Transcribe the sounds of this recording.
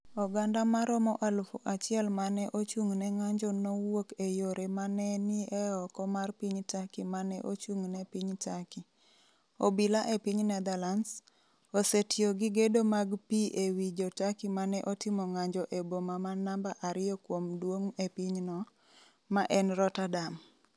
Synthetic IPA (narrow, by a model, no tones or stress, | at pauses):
ɔɡandamaɾɔmɔʔalfuʔat͡ʃɪɛlmanɛʔot͡ʃuŋnɛŋaɲd͡ʒɔnowokejoɾemanɛnɪɛɔkɔmarpiɲtakimanɛ̰ʔot͡ʃuŋnɛpiɲtaki | obilaʔepiɲnɛd̪alans | osetɪoɡɪɡedomaɡpiʔewid͡ʒotakimanɛʔɔtɪmɔŋaɲd͡ʒɔʔebomamanambaʔaɾɪjɔkwomdwoŋepiɲnɔ | maʔɛnɾɔtadam